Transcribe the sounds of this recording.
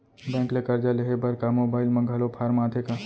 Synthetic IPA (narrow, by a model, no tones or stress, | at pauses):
bɛ̃ːŋklekəɾd͡ʒaleɦebɐɾkamoːbaːɪlmɐ̃ŋɡʱaːlopʰaːɾmãːd̪ʱeka